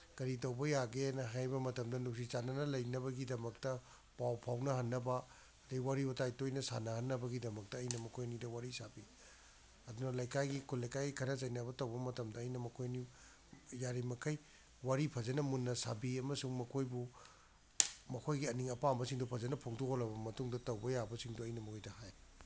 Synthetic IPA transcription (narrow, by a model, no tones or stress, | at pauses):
ɡ̥ɐɾitɐwbɐjaɡenɐɦajbɐmɐtɐmdɐnuk̚sit͡ʃanɐnɐlɐjnɐβɐɡidɐmɐk̚tɐ | pawpʰawnɐɦɐnːɐbɐː | dɐjwaɾiɐtajtojnɐsa̰nɐhɐnːɐbɐɡidɐmɐk̚tɐːjnɐmɐkʰojɐnidɐwaɾisabi | ɐdunɐlɐjkajɡikʰulːɐjkajɡikʰɐnɐzɐjnɐβɐtɐwbɐmɐtɐmdɐːjnɐmɐkʰojɐni | jaɾimɐkʰɐj | waɾipʰɐzɐnɐmunːɐsa̰biɐmɐsuŋmɐkʰojbu | mɐkʰojɡiɐniŋɐpambɐsiŋdupʰɐzɐnɐpʰoŋtokʰolɐbɐmɐtuŋdɐtɐwbɐjabɐsiŋduɐjnɐmɐkʰojdɐhaj